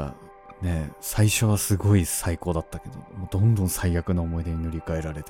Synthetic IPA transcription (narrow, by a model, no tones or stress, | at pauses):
a̰ | ne̞saiɕo̞β̞asɨɡo̞isaiko̞ːd̪at̪ːake̞d̪o̞̰moːd̪õ̞nd̪õ̞ɰ̃saijakɯ̟noːmo̞id̪e̞ɲ̟ino̞ɾʲikae̞ɾaɾe̞t̪